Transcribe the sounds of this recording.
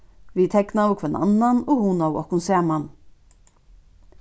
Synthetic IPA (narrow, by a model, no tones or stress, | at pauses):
vit̪ʰɛɡnawkʰvɛna̰nːanɔhunawɔ̰hkʊnsæːman